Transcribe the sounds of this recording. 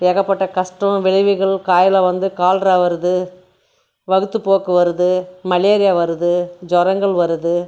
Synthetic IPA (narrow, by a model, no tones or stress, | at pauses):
eːɣɐpːɐʈːɐkɐʂʈɾɐ̃ʋɪɻɐʋɯɣɐɭkaːjɪlɐʋɐnd̪ɯkaːlɾaʋɐɾɯðɯ | ʋɐɣɯt̪ːɯpːoːkɯʋɐɾɯðɯmɐleːɾɪjaʋɐɾɯðɯd͡ʒɔɾɐŋɡɐɭʋɐɾɯðɯ